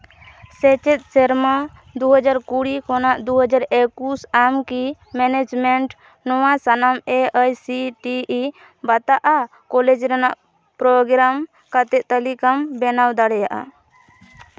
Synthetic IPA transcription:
sɛt͡ʃɛt̪̚ˀsɛɾmad̪uɦəd͡ʒaɾkuɽikɔnaʔd̪uɦəd͡ʒaɾekusamki | mɛnɛd͡ʒmɛɳʈ | nɔwasanamɛəjsiʈii | bat̪aʔa | kɔlɛd͡ʒɾanaʔ | pɾɔɡɾam | kat̪ɛʔt̪alikambɛnawd̪aɽɛjaʔa̰

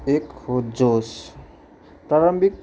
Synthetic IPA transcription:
ekhod͡ʒos | pɾaɾəmbik̚

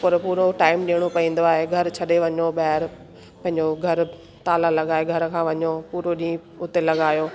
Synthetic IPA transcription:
pɐɾpuːɾoʈaːɪmɗiːəɽ̃opɐĩːn̆d̪oaːɦeɡʱɐɾt͡ɕʰɐɗeʋɐɲoɓɐːɦɪɾ | pɐ̃ɦɪ̃ɲd͡ʑoɡʱɐɾ | t̪aːlalɐɠaːeɡʱɐɾkʰãːʋɐɲopuːɾoɗĩː | ʊt̪elɐɠaːjoː

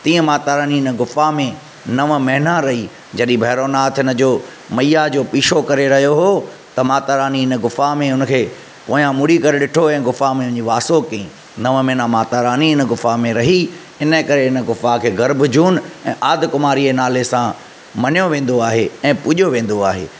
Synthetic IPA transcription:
t̪ĩːə̃maːt̪aːɾaːniɪnəɡʊfamẽ | nɐʋmɐɦnãɾɐɦi | d͡ʑɐɗĩbʱɐːɾoːnaːt̪ʰɪnə̆d͡ʑoː | mɐijad͡ʑoːpiːʃokɐɾeɾɐɦijoɦoː | t̪ɐmaːt̪aːɾaːniɪnəɡʊfamẽʊnə̆kʰeː | poːjãmʊɽikɐɾeɗɪʈʰoɛ̃ːɡʊfamẽʊ̃ɲd͡ʑiʋaːsokiĩ | nɐʋmɐnamaːt̪aːɾaːniɪnəɡʊfamẽɾɐɦi | ɪnəkɐɾeɪnə̆ɡʊfakʰeːɣɐɾbd͡ʑʱuːnɛ̃ːʔaːd̪kʊmaːɾienaːlesã | mɐnjoʋẽːn̆d̪oaːɦeɛ̃ːpʊʄoʋẽːn̆d̪oaːɦḛː

